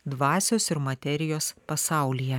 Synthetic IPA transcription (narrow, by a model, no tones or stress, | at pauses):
d̪ʋɑːsʲoːsɪɾmɐt̪ʲɛɾʲɪjoːspɐsɑˑʊlʲijɛ